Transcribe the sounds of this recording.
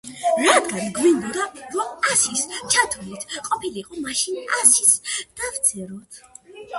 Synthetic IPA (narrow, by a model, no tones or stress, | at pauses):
ɾad̪ɡanɡwind̪ɔd̪aɾɔmasist͡ʃʰat̪ʰulit̪ʰqʼɔpʰiliqʼɔmaʃinʔasisd̪̥avt̪sʰɛɾɔt̪ʰ